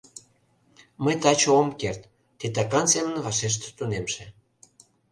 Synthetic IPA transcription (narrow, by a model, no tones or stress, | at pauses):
məjt̪ɑt͡ɕoomkert̪ː | it̪ɑkɑnsemənvɑʃeʃ̬t̪t̪unemʃĕ